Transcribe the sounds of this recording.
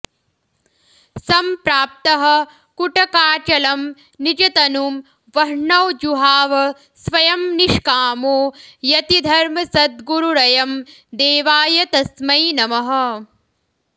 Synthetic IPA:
sɐmpɾaːp̚t̪ɐɦɐ̆ | kuʈɐkaːt͡ʃɐlɐm | nid͡ʒɐt̪ɐnum | ʋɐɾɳɐwd͡ʒuɦaːʋɐ | sʋɐjɐmniʂkaːmoːjɐt̪id̪ʱɐɾmɐsɐd̪ɡuɾuɾɐjɐm | d̪eːʋaːjɐt̪ɐsmɐjnɐmɐɦɐ̆

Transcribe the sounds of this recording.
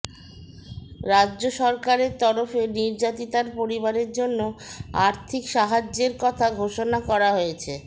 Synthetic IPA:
ɾadːʑoʃɔɾkaɾeɾt̪ɔɾofeniɾd͡ʑat̪it̪aɾpoɾibaɾeɾd͡ʑonːoaɾt̪ʰikʃaɦad͡ʑeɾkɔt̪ʰaɡʱoʃonakɔɾaɦojet͡ɕʰe

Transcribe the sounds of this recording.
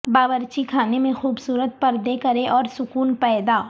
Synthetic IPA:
baːbəɾt͡ʃikʰaːnemẽxuːbsuːɾət̪̚pɐɾd̪ekɐɾeʔɔːɾsʊkuːnpɛːd̪aː

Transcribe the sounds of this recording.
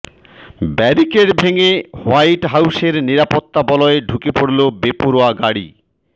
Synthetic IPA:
bɛɾikeɾbʱeŋewajʈɦawʃeɾniɾapot̪ːabɔlɔeɖʱukepoɽlobepoɾoaɡaɽḭ

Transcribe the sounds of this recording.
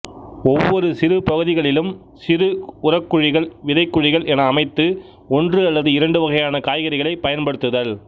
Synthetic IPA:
ɔʋːɔɾɯsɪɾɯpɐɣɯðɪɣɐɭɪlɯm | sɪɾɯʊrɐkːɯɻɪɣɐɭʋɪðɐɪkːɯɻɪɣɐɭɛnɐːmɐɪt̪ːɯ | ɔndrɯɐlːɐðɯɪɾɐɳɖɯʋɐɣɐjaːnɐkaːjɣɐɾɪɣɐɭɐɪpɐjɐnpɐɽɯt̪ːɯðɐl

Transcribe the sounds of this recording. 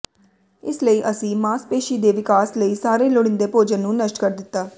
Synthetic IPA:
ɪsləiːʔəsĩːmaːspeːʃiːd̪eːʋɪkaːsləiːsaːɾeːlʊɽɪnd̪eːpoːd͡ʒənːũːnəsʈkəɾd̪ɪt̪ːaː

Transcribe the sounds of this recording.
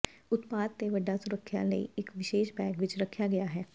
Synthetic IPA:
ʊt̪paːd̪̚t̪eʋəɖːasʊɾəkʰːjã̰ləḭɪkʋɪʃeːʃbɛ̃ːɡʋɪt͡ʃɾɐkʰːjaɡɐjaɦɛː

